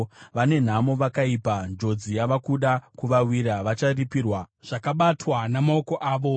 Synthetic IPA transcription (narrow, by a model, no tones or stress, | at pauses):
ʋane̞n̤amo̞ʋakaiːpand͡ʒo̞d͡zijaʋakuɗakuʋawiɾaʋat͡ʃaripiːrwaʐ̥akaɓatwanamaoko̞ʔaːʋo̞